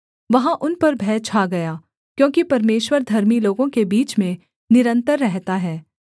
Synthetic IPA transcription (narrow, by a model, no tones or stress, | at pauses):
ʋɐɦãʔʊnpɐɾbʱɛːt͡ʃʰaːɡɐjaː | kjõːkipɐɾmeːʃwəɾd̪ʱɐɾmiloːɡõkebiːt͡ʃmẽ | nɪɾə̃nt̪əɾːɛɦt̪aɦɛː